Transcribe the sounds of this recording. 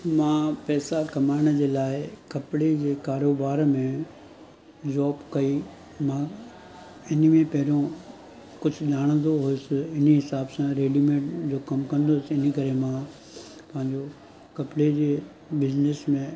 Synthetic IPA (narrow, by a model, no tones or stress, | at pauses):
mãːpɛːsakɐmaːɪɽ̃ə̆d͡ʑeːlaːɪkɐpɽed͡ʑeːkaːɾoːbaːɾmẽ | d͡ʑɔːbkɐi | mãː | ɪnəmẽpɐɦɪɾõ | kʊd͡ʑʱʊʄaːɽ̃ə̃nd̪oɦʊjʊsɪɪnɦɪsaːbsãɾeːɖimẽːʈd͡ʑoːkɐmkɐ̃nd̪osɪɪnəkɐɾemãː | pɐ̃ɦɪ̃ɲd͡ʑo | kɐpɽed͡ʑeː | bɪznesmẽ